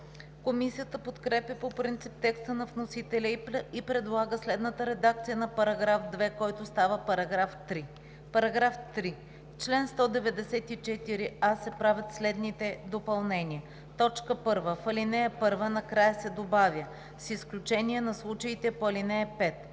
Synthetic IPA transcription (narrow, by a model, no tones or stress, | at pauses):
komisijət̪əpot̪kɾɛpʲjəpopɾint̪sip̚t̪ɛkst̪ənɐvnosit̪ɛlʲəipɾɛd̪lˠaɡəslɛd̪nət̪əɾɛd̪ak̚t̪sijənɐpɐɾɐɡɾafd̪vɛkɔjt̪ʊst̪avəpɐɾɐɡɾaft̪ɾi | pɐɾɐɡɾaft̪ɾi | t͡ʃlɛnst̪ɔd̪ɛvɛd̪ɛsɛt̪it͡ʃɛt̪iɾiasɛpɾavʲət̪slɛd̪nit̪ɛd̪opɐlˠnɛniə | t̪ɔt͡ʃkəpɤɾvəfɐlinɛɛpɤɾvənɐkɾajəsɛd̪obavʲjə | sisklʲut͡ʃɛniɛnɐslˠut͡ʃəit̪ɛpoɐlinɛɛpɛt̪